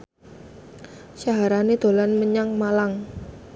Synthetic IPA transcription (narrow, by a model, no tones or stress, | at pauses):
saɦaɾanid̪̥o̤lanməɲaŋmalaŋ